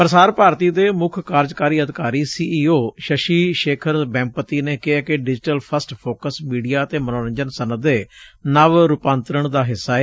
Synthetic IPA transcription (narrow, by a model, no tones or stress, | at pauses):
pəɾəsaːɾpaːɾt̪iːd̪eːmʊkʰkaːɾd͡ʒkaːɾiːəd̪ɪkaːɾiːsiːiːoːʃəʃiːʃeːkʰəɾbɛ̃ːmpət̪iːneːkɪɦaːkɪɖɪd͡ʒɪʈəlpʰəsʈpʰoːkəsmiːɖijaːt̪eːmənoːɾəɲd͡ʒənsənəd̪eːnəʋɾʊpãːnt̪ɾəɳd̪aːɦɪsːaːɛː